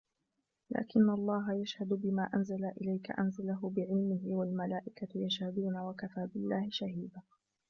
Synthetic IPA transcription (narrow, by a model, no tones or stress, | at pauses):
lʔa̰ːkɪnːalˤːɑːɦajaʃhad̪ʊbɪmaːʔanzalaʔɪlajka̰ʔa̰nzalaɦʊbɪʕɪlmɪɦɪwalmalaːʔɪkajaʃhad̪uːnawakafaːbɪlːaːhɪʃahiːd̪aː